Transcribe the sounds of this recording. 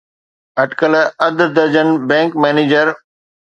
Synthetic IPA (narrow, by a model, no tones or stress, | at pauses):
ɐʈkəlɐd̪əɾd̪ɐɾd͡ʑənbɛ̃ːŋkmɛːneːd͡ʑəɾ